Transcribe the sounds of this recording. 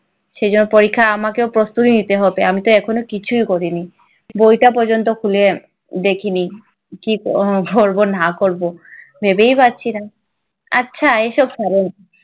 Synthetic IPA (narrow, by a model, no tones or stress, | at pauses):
ʃejd͡ʑonːopoɾikʰːaamakeopɾost̪ut̪init̪eɦɔbeamit̪oɛkʰonokit͡ɕʰujkoɾini | bojʈap̬ɔɾd͡ʑont̪̬okʰule | d̪ekʰini | kikkoɾbonakoɾbo | bʱebejpatːɕʰina | a̰tːɕʰaeʃɔbsɛɾen